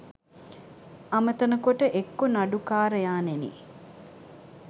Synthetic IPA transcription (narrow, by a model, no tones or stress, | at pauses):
ɐmət̪ɐnəkoʈəʔekːonaɖukaːɾəjaːnenḭ